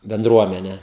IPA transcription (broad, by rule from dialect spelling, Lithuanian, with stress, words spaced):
bʲɛnˈdruɔmʲɛnʲɛ